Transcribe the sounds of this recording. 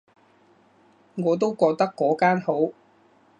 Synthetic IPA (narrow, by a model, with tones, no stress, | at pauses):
ŋɔː˨˧t̪̬o˥wkɔː˧k̚t̪ɐ˥kːɔː˨˥kaː˥nho˨˥w